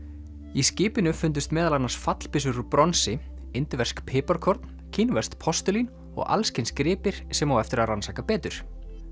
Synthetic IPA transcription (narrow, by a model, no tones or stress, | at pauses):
iscɪːpɪnʏfʏnt̪̬ʏst̪mɛːðalanḁsfat̪l̥pɪs̬ʏɾʏpɾɔnsɪ | ɪnt̪ɪvɛr̥skpʰɪːpaɾkʰɔɾt̪n | cʰinvɛst̪pʰɔst̪ʏlin | ɔ̰ɣa̰lscɪnskɾɪːpɪɾ̥sɛmawɛft̪ɪɾaðransaːkapɛːt̪ʏɾ̥